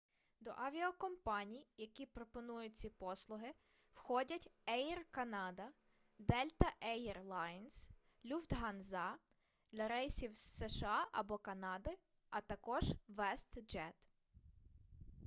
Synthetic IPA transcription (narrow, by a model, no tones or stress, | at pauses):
d̪ɔ̰ʔɐʋʲiɔkɔmpɑnʲijjɐkʲipɾɔpɔnujʊt͡sʲipɔslˠʊɦɪ | wxɔdʲɐtʲɛjrkɐnɑd̪ɐ | d̪ɛlʲt̪ɐʔɛjrlˠɑjns | lʲufd̪ɦɐnzɑ | d̪̥lʲɐɾɛjsʲiwssɛʃeɑʔɐbɔkɐnɑd̪ɪ | ɐt̪ɐkɔʒʋɛst̪d͡ʒɛt̪